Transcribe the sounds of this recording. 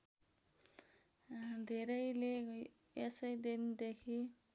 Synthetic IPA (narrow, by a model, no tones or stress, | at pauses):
d̪ʱeɾʌjle | esʌjd̪end̪ekʰi